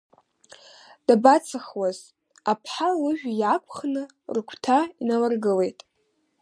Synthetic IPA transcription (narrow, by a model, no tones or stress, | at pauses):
d̥abat͡sʰaχwaz | apʰħalɨʒᶣjakʷʰʼχnɨ | rkʷʰtʰainalarɡɨle̞jtʼ